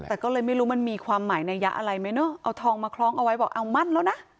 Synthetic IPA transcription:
t̪ɛː˨˩kɔː˥˩lɤː˧jma˥˩jɾuː˦˥ma˧˨nmiː˧kʰwaː˧mːaː˩˦jnaː˧ja˦˥ʔa̰˧ɾa˧jma˦˥jnɔ˦˥˩ʔa˧wt̪ʰɔː˧ŋmaː˧kʰlɔː˦˥ŋʔa˧wa˦˥jbɔː˨˩k̚ʔa˧wma˥˩nlɛː˦˥wna˦˥ʔ

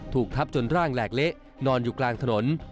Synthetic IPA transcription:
t̪ʰuː˨˩k̚t̪ʰa˦˥p̚t͡ɕo˧nɾaː˥˩ŋlɛː˨˩k̚le˦˥ʔ | nɔː˧njuː˨˩klaː˧ŋt̪ʰa˧no˩˦n

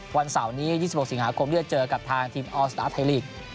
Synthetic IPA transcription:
wa˧nsa˨˩˦wniː˦˥jiː˥˩si˩pho˨˩k̚si˩˦ŋɦaː˨˦kʰo˧mdi˥˩ə˩t͡ɕɤː˧ka˨˩p̚t̪ʰaː˧ŋt̪ʰiː˧mʔɔː˧˩st̪aː˦˥t̪ʰa˧liː˥˩k̚

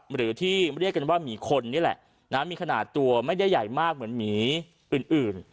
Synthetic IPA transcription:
ɾɯː˩˦t̪ʰiː˥˩m˥˩ɾi˥˩ka˧nwaː˥˩miː˩˦kʰo˧nːi˦˥˨lɛ̰˨˩ʔ | naː˦˥miː˧kʰnaː˨˩t̪ːu˧ɐma˥˩jda˥˩jːa˨˩jmaː˥˩k̚mɯ˩˦ənmiː˩˦ | ʔɯː˨˩nʔɯː˨˩n

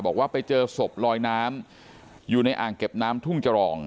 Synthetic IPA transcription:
bɔː˨˩k̚waː˥˩pa˧jt͡ɕɤː˧so˨˩p̚lɔː˧jnaː˦˥m | juː˨˩na˧jʔaː˨˩ŋke˨˩p̚naː˦˥mt̪ʰu˥˩ŋt͡ɕa˧ɾɔː˨˩ŋ

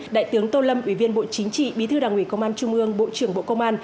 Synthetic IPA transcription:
ɗa̰ː˧˨jt̪ɨ˨˦əŋt̪o˧lə˧mʔwi˧˩vi˧ənɓo̰˧˨t͡ɕï˨˦ŋ̟t͡ɕḭ˧˨ɓi˨˦t̪ʰɨ˧ɗaː˨˩ŋʔwi˧˩kə˧wŋ͡mʔaː˧nt͡ɕʊ˧ŋ͡mʔɨ˧əŋɓo̰˧˨t͡ɕɨ˧˩əŋɓo̰˧˨kə˧wŋ͡mʔaː˧n

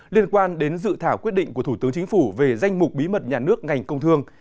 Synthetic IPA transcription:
li˧ənkwaː˧nɗe˨˦nzɨ̰˧˨t̪ʰaː˧˩wkwi˦˥t̚ɗḭ̈˧˨ŋku˧˩ət̪u˧˩t̪ɨ˨˦əŋt͡ɕi˨˦ŋ̟fu˧˩ve˨˩za˧jŋ̟mʊ˨˩k͡p̚ɓi˨˦mə˨˩t̚ɲaː˨˩nɨ˦˥ək̚ŋa˨˩jŋ̟kə˧wŋ͡mt̪ʰɨ˧əŋ

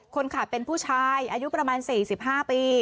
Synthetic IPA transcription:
kʰo˧nkʰa˨˩t̪̚pe˧npʰuː˥˩t͡ɕʰaː˦˧˥jʔaː˧ju˦˥pɾa˧maː˧nsiː˨˩si˨˩p̚ɦaː˥˩piː˧

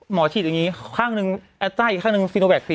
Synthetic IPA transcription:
mɔː˩˦t͡ɕʰiː˨˩t̪̚a˨˧ŋi˦˥kʰaː˥˩ŋnɯ˧ŋʔɛ˧˥t̪ːaː˥˩i˨˩kʰːaː˥˩nɯ˧ŋsi˧no˧bɛː˨˩k̚fi˧˩

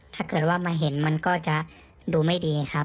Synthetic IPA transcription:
t̪ʰaː˥˩kɤː˨˩t̪̚waː˥˩maː˧ɦe˩˦nma˧nkɔː˥˩t͡ɕa˨˩ʔ | duː˧ma˥˩jdiː˧kʰa˦˥

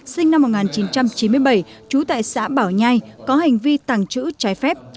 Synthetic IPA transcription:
sï˧ŋ̟na˧mː˨˩t̚ŋaː˨˩nt͡ɕi˨˦nt͡ɕa˧mt͡ɕi˨˦nmɨ˧əjɓə˧˩j | t͡ɕu˨˦t̪a̰ː˧˨jsa̰ː˧˥ɓaː˧˩wɲa˧jkɔ˨˦ɦa˨˩jŋ̟vi˧t̪a˨˩ŋt͡ɕɨ̰˧˥t͡ɕaː˨˦jfɛ˦˥p̚

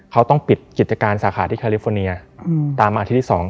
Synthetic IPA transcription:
kʰa˦˥wt̪ɔ˥˩ŋpi˨˩t̪̚ki˨˩t̪̚t͡ɕa˧kaː˧nsaː˩˦xʰaː˩˦t̪ʰiː˥˩kʰa˧li˧˦˥fɔː˧ni˧ɐt̪aː˧ma˧i˦˥t̪ʰi˥˩ɔː˩˦ŋ

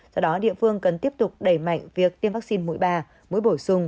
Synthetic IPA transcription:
zɔ˧ɗɔ˨˦ɗḭ˧˨əfɨ˧əŋkə˨˩nt̪i˦˥əp̚t̪ʊ˨˩k͡p̚ɗə˧˩jma̰˧˨jŋ̟vi˨˩ək̚t̪i˧mva˦˥k̚si˧nmṵ˧˥jɓaː˧ | mṵ˧˥jɓo˧˩jsʊ˧ŋ͡m

